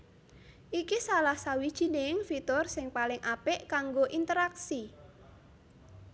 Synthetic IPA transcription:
ʔikisalahsawid̥ʒ̥i̤nɪŋfit̪ɔrsɪŋpalɪŋʔapɪʔkaŋɡoʔint̪əɾaksi

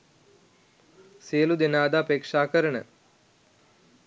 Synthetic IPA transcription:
selud̪inaːd̪aːpeːkʂaːkɐɾəɳə̰

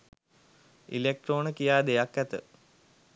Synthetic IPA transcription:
ḭlek̚ʈroːnəkijaːd̪ejakːæt̪ə̰

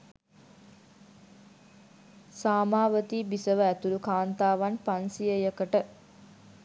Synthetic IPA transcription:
saːmaːʋət̪iːbisəʋəæt̪uɾukaːnt̪aːʋanpansijəjəkəʈə

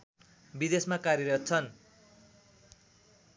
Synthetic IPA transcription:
bid̪esmakaɾjeɾʌt̪̚t͡sʰʌn

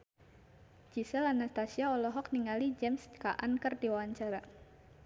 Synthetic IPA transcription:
d͡ʒisɛlanast̪asiaɔlɔɦɔk̚niŋalid͡ʒɛmskaʔankərdiwawaɲt͡ʃaɾa

